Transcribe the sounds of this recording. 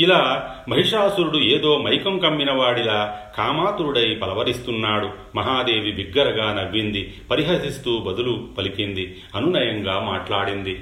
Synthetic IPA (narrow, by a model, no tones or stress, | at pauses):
ilaː | mɐɦiʂaːsuɾuɽueːd̪o̞ːmɐjkɐmkɐmːinɐʋaːɽilaːkaːmaːt̪uɾuɽɐjpɐlɐʋɐɾist̪unːaːɽu | mɐɦaːd̪e̞ːʋibiɡːɐɾɐɡaːnɐʋːind̪i | pɐɾiɦɐsist̪uːbɐd̪ulupɐlikind̪i | ɐnunɐjɐŋɡaːmaːʈlaːɽind̪i